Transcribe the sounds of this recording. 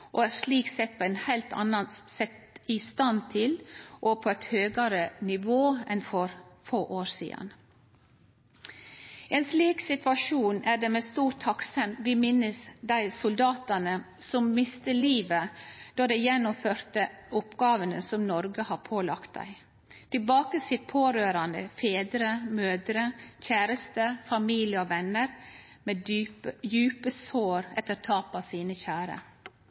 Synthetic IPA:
ʔɔæɾʂliːksɛt̪̚pʰɔɛnhæɪlt̪ʰɑ̰nːɑnsɛt̪ɪst̪ɑnt̪ʰɪlʔɔpʰɔɛt̪høːɡɑɾənɪʋoːɛnfɔɾfoːʔoːɾsḭːd̪ə̰n | eːnsliːksɪt̪ʋɑʂuːnæɖɛmeːst̪uːɾʈt̪ʰːɑksɛmʋɪmɪnːəsd̪æɪsʊld̪ɑːt̪ɑnə | sɔmmɪst̪əliːʋəd̪̥ɔd̪ɛɪjɛnːʊmføːɾt̪ə | ʊpɡɑːʋənəsɔmnɔɾɡəhɑɾpʰoːlɑkt̪̚d̪æ̰ɪ | t̪ʰɪlbɑːkəsɪt̪̚pʰoːɾøːɾɑnd̪ə̰feːd̪ɾəmøːd̪ɾəçæːɾəst̪əfɑmiːlɪəɔʋɛnːəɾ | me | jʉːpəsoːɾɛt̪əɾt̪ʰɑːpɑsiːnəçæːɾə̰

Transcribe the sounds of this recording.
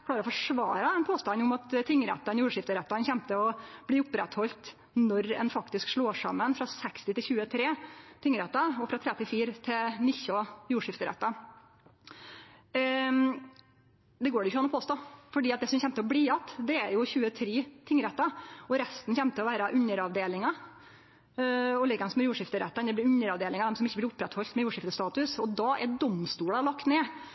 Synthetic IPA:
kʰlɑːɾɔfɔʂʋɑ̰ːɾɑɛnpʰoːst̪ɑnːʊmɑt̪t̪ʰːɪŋːɾɛ̰t̪ːɑnjuːʂɪft̪əɾɛt̪ːɑnçɛmt̪əɔb̥liːʊpɾɛt̪hɔlt̪ | nɔɾɛ̰nfɑkt̪ɪskʂɭoːʂɑ̰mːənfɾɑsɛkst̪ɪt̪ɪlçʉːət̪ʰɾeːt̪ʰɪŋɾɛt̪ːɑɔfɾɑt̪ʰɾɛt̪ɪlfiːɾt̪ʰɪnɪçːɔjuːʂɪft̪əɾɛ̰t̪ːɑ | d̪ɛɡoːɖɛɪçːɑnɔpʰoːst̪oːfɔɖiːɑt̪̚d̪ɛsɔmçɛmt̪əɔbɽiːɑt̪d̪ɛæɾjʊçʉːət̪ʰɾeːt̪ʰɪŋːɾɛt̪ːɑɔɾɛst̪nçɛmt̪əɔʋæːɾɑʔʉnəɾɑʋd̪eːlɪŋɑ | ɔlɪɡɑnsɔmɛjuːʂɪft̪əɾɛ̰t̪ːɑnd̪ɛb̪ɪɾʉnəɾɑʋd̪eːlɪŋɑd̪ɛmsɔmɪçːəblɪɾʊpːɾɛt̪hɔlt̪mɛjuːʂɪft̪əst̪ɑːt̪ʉsɔd̪ɑːʔɛɖɔmst̪uːɽɑlɑkt̪neː

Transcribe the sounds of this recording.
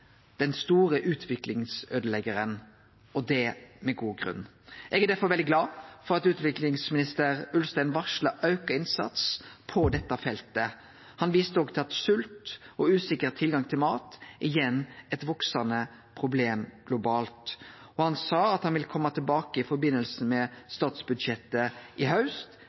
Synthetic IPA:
d̪̥ɛnst̪uːɾəʔʉːt̪ʰʋɪklɪŋsøːd̪əlɛɡəɾən | ɔd̪ɛmɛɡuːɡʁʉ̰nː | ʔɛɡæd̪æɾfɔɾʋɛld̪ɪɡlɑːfɔɾɑt̪ʉːt̪ʋɪklɪŋsmɪnɪst̪əɾʉlst̪æɪnʋɑʂləʔɑʉkəɪnsɑ̰t̪spʰɔd̪ɛt̪ːɑfɛlt̪ə | hɑnʋiːst̪əɔɡt̪ʰɪlɑt̪sʉlt̪ɔʉːsɪkəʁt̪ʰɪlɡɑŋt̪ʰɪlmɑːt̪ʔɪjɛnːɛt̪ʋɔksɑnə | pʰʁʊbleːmɡ̥lʊbɑːlt̪ɔhɑnsɑːɑt̪hɑnʋɪlkʰɔmːɑt̪ʰɪlbɑːkəɪfɔɾbɪnːəlsn̩mɛst̪ɑːt̪sbʉd̪ʃɛt̪ːəʔɪɦɑʉst̪

